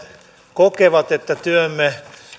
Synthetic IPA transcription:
kokeʋɑt̪et̪ːæt̪yømːe

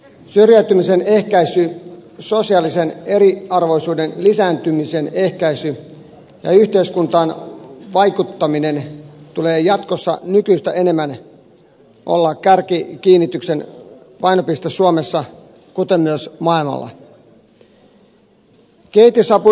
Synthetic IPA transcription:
syrjæyt̪ymise̞ne̞hkæisyso̞siɑːlise̞ne̞ɾiɑrʋo̞jsuːde̞nlisæːnt̪ymise̞ne̞hkæisy | jɑ̰yht̪e̞iskunt̪ɑːnʋɑjkut̪ːɑmine̞nt̪ule̞ːjɑt̪kosːɑ̰nykyːst̪æʔe̞ne̞mːæn | ʔo̰lːɑkkærkikiːnːit̪ykse̞nʋɑjno̞pist̪esuome̞sːɑ | kut̪e̞mːyøsmɑilmɑ̰lːɑ̰ | keit̪isɑpu

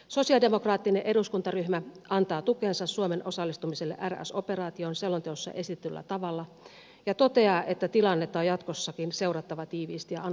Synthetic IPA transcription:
so̞siɑdemo̞krɑːt̪ːineʔe̞duskunt̪ɑryhmæʔɑnt̪ɑːt̪ukeːnsɑssuomenʔo̞sɑlːist̪umiselːḛʔæræ̰so̞pe̞rɑːt̪ionselːont̪eosːɑ̰ʔe̞sit̪ĕt̪ylːæ̰t̪ɑʋɑlːɑ | jɑt̪ot̪e̞ɑːʔet̪ːæt̪ilɑnːet̪ːɑojɑt̪kosːɑkinse̞urɑt̪ːɑʋɑt̪iːʋḭːst̪ijɑɑn

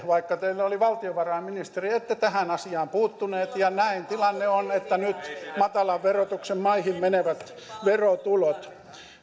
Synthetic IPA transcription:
ʋɑikːɑt̪eilːoliʋɑlt̪ioʋɑrɑemminist̪eriet̪ːet̪æhænɑsiɑːmpuːt̪ːuneːt̪jɑnæint̪ilɑnːeonet̪ːænyt̪mɑt̪ɑlɑʋʋerot̪uksemmɑihimmeneʋæt̪ | ʋerot̪ulot̪

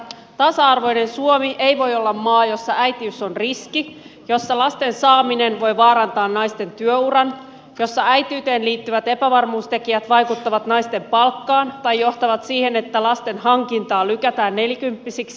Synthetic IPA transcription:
t̪ɑsɑɑrʋo̞jne̞nsuomiʔe̞jʋo̞jo̞lːɑmːɑːjo̞sːɑæjt̪iyso̞nriskijo̞sːɑlɑst̪e̞nsɑːmine̞nʋo̞jʋɑːɾɑnt̪ɑːnːɑjst̪e̞nt̪yøurɑn | jo̞sːɑæjt̪yːt̪eːnliːt̪ːyʋæt̪e̞pæʋɑrmuːst̪e̞kiæt̪ʋɑjkut̪ːɑʋɑt̪nɑjst̪e̞mpɑlkːɑːnt̪ɑjːoht̪ɑʋɑt̪siːhe̞ne̞t̪ːælɑst̪e̞nhɑŋkint̪ɑːlykæt̪æːnːe̞ljikympːisiks

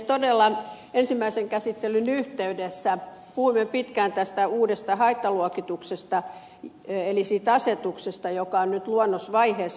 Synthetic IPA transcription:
t̪odelːɑ | ensimːæiseŋkæsit̪ːelynyht̪eydesːæpuhuimːepit̪kænt̪æst̪æuːdest̪ɑhɑit̪ːɑluɔkit̪uksest̪ɑ | elisiːt̪ɑset̪uksest̪ɑjokɑonnyt̪luonːosʋɑiheːs

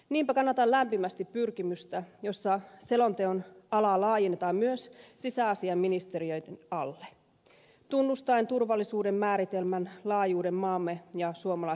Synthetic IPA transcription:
niːmpækɑnːɑt̪ɑllæmpimæst̪ippyrkimyst̪æjo̞sːɑse̞lo̞nt̪eonɑlɑlɑːjenːet̪ɑmmyøssisæɑsiɑmːinist̪e̞ɾiø̞jdenɑlːe | t̪unːust̪ɑjnt̪urʋɑlːisuːde̞mːæːɾit̪e̞lmænlɑːjuːde̞mːɑːmːe̞jɑsuomɑlɑ

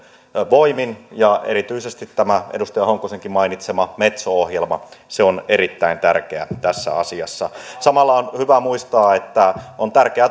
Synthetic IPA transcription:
ʋoiminjɑḛɾit̪yisest̪it̪ːæmæedust̪ɑjɑhoŋkːˑoseŋkimmɑinit̪semɑmet̪soohjelmɑ̰seoneɾit̪ːæint̪ærkeæt̪æsːæ̰ɑ̰siɑsːɑsɑmɑlːɑonhyʋæmuist̪ɑːet̪ːæont̪ærkeæ

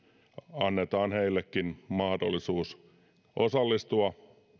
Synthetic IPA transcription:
ɑnːet̪ɑːnheilːekːinmɑhdolːˑisuːs | ʔosɑlːist̪uɑ

